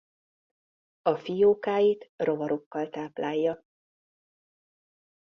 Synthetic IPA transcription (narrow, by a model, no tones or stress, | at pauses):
ɒfijoːkaːjit̪ro̞vɒɾokːɒlt̪aːplʔaːjːɒ